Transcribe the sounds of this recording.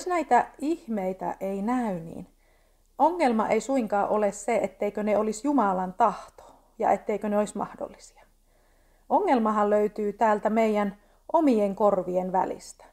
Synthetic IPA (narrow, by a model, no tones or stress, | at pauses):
snæit̪æihmeit̪æ̰ʔeinæynḭːn | oŋːelmɑ̰ʔeisuiŋkɑːʔolesseet̪ːeikøneolisjumɑlɑnt̪ɑht̪o̥ | jɑ̰et̪ːeikøneoismɑ̰hdo̰lːisi̥ɑ̥ | oŋːelmɑɦɑlløyt̪yːt̪æːlt̪æmeijæn | ʔomieŋkorʋienʋæ̰lḭst̪æ̥